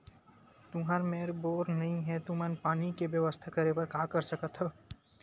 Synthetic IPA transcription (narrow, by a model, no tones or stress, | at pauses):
t̪ʊɦaɾmeːɾboːɾnɐɦĩɦɛt̪umɛnpaːnikeʋjɐʋəst̪ʰakɐɾepɐɾkaːkɐɾsɐkət̪ɦɛː